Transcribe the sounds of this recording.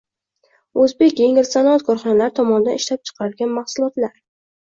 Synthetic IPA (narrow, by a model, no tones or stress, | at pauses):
ɵzbe̞kʲjeŋɪɾsanɒat̪̚kʰɒɾχɒnalaɾɪt̪ʰɒmɒnɪd̪anɪ̥ʃlap̚t͡ʃʰɨ̥qʰɑɾɪlɡʲanmahsʊlˠɒt̪laɾ